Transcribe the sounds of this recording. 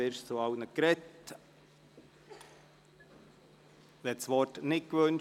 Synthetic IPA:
eːɾʃt͡soɑʊnəkɾɛt | ɛtsʋɔrtnɪt̚kʋɵn

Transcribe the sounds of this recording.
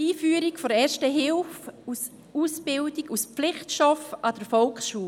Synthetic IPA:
iːfyːəɾɪkfɔɾɛːɾʃtəɦɪlfus | uːsb̥ɪldɪkusp͡flɪχtʃɔfad̥əɾfɔlksʃuː

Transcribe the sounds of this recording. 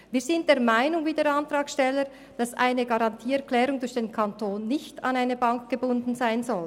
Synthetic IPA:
viːz̥ɪnt̚d̥eːɐʁmaɪnʊŋviːdeːɾɑntr̥ɑːkʃtɛlːəɾ | d̥ɑsʔa̰ɪnəɡɑʁɑntʰiːɛɐʁkʰlɛːɾʊŋdʊɾçd̥eːnkʰantʰoːnːɪçtɑ̰naɪnəbɑŋk̚ɡ̥əbʊndn̩zaɪnzɔl

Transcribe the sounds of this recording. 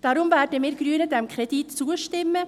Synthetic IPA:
d̥ɑɾʊmvæːɾdəmɪːɾɡ̥ɾyːənədɛmkʰɾɛd̥itt͡suəʃtɪmːə

